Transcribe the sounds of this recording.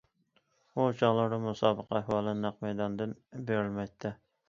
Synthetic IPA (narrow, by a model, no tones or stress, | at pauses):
ut͡ʃʰɑʁlˠɑɾd̪ɨmusɑːbəqʰɑæhwɑːlˠɨnæqmæjd̪ɑnd̪ɨnbeɾɪlmɛjt̪ʰːɪ